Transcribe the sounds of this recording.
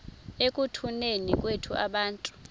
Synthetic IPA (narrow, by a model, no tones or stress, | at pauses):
ekʼutʰunenik̬ʼwetʰuʔaɓaːntʼu̥